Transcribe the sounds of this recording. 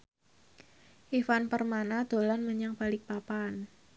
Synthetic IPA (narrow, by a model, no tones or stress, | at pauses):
ʔifanpərmanad̪̥o̤lanməɲaŋpalɪk̚papan